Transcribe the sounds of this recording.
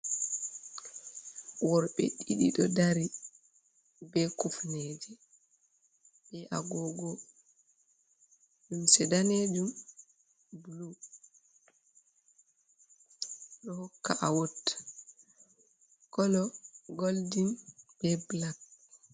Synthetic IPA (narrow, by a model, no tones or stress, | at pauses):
wɔɾɓɛ̰ɗiɗḭɗɔdaɾi | bɛkufneːd͡ʒɛ | bɛʔa̰ɡɔɡɔ | d͡ʒumsɛdaned͡ʒum | blu | ɗɔhɔkːa̰ʔawotːḁ | kɔlɔɡoldinb̥ɛblak̚